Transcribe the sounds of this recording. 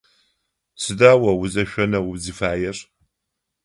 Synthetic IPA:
sɨdaːwɐwʊzɐʃʷᶣɐnɐwʊzifaːjɛr

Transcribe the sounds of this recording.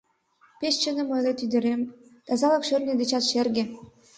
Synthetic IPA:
peʃt͡ɕə̆nə̆mɤjlet̪yd̪ɘ̆ɾemt̪ɑzɑlɤ̆kʃø̆rnʲĕd̪ĕt͡ɕɑt̪ʃerɡʲĕ

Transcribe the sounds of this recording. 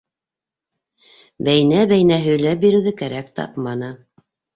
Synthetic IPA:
bæjnæbæjnæɦɵ̆jlæp̚biɾɘ̆wðɘkæɾækt̪ɑ̰pmɑnɤ

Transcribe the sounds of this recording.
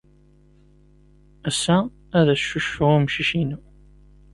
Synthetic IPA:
æsːæ | æðæʃuʃːʊʁmʃiʃinu

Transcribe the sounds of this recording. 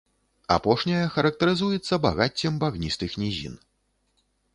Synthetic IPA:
a̰pɔʂnʲɐjɐxɐɾɐk̚t̪ɐɾɨzujɛt̪sːɐba̰ɣat͡sʲːɛmbaɣnʲist̪ɨxnʲizʲḭn

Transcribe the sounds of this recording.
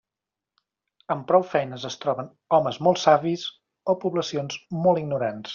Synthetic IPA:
əmpɾɔwfɛjnəzəst̪ɾɔβən | ɔməzmolˠtsaβiz | opuβləsionzmolˠiɡ̚nuɾans

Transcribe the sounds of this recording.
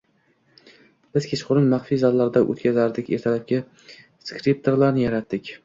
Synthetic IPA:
b̥ɪz̥kʲʰeʃqʊɾɪnmaχfizɒllːaɾd̪aʔo̰t̪kʲʰazaɾd̪ɪkʲḛɾt̪ʰalap̚kʲɪ | skɾip̚t̪ʰoɾlaɾnɪjaɾat̪d̪ɪkʲ

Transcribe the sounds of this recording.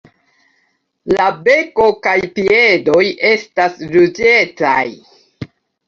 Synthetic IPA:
labe̞ko̞kajpie̞do̞je̞stasɾud͡ʒe̞t͡sa̰j

